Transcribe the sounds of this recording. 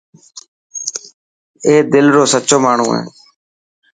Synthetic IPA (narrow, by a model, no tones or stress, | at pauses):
eːd̪ɪlɾoːsət͡ʃoːmaːɳ̤ṵ̃ːɦḛː